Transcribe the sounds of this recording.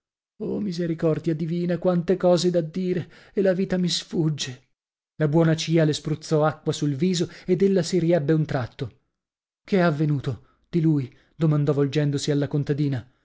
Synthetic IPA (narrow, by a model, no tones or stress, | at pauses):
omizeɾikɔrd̪jad̪iviːnakwant̪ekɔːzed̪ad̪ːiːɾe | elaviːt̪amisfud͡ʒːe | labwɔːnat͡ʃiːalespɾut̪sɔakːwasulviːzoed̪elːasiɾiɛbːeunt̪ɾat̪ːo | keavːenuːt̪o | d̪̥iluj | d̪omand̪ɔvold͡ʒɛnd̪osialːakont̪ad̪iːna